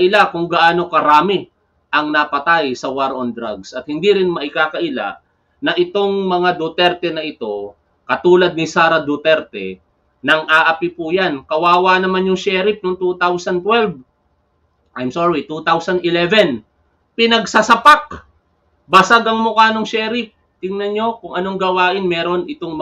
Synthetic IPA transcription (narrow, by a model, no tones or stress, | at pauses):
ʔɪlakʊŋɡɐʔaːno̞kɐɾaːmɪ | ʔɐŋnɐpɐt̪ajsɐwaɾʔond̪ɾaɡsʔɐt̪̚hɪnd̪iɾɪnmɐʔɪkaːkɐʔɪla̰ | nɐʔɪt̪o̞ŋmɐŋad̪ut̪ɛɾt̪ɛnɐʔɪt̪o̞ | kɐt̪uːlɐd̪̚nisaːɾɐd̪ut̪ɛɾt̪ɛ̰ | nɐŋʔaːʔɐpipʊjankɐwaːwanɐmanjʊŋʃɛːɾɪp̚noŋt̪ut̪awsɐnt̪wɛlv | ʔajmsoɹit̪ut̪awsɐnd̪ɪlɛvɛn | pɪnɐɡsɐsɐpak̚ | bɐsaɡɐŋmʊkaːnoŋʃɛːɾɪp̚ | t̪ɪŋnɐnjo̞kʊŋʔɐno̞ŋɡɐwaːʔɪnmɛːɾo̞nʔɪt̪o̞ŋm